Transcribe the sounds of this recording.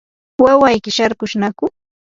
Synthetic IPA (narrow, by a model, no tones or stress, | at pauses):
wawajkɪʃaɾkʊʃnakʊ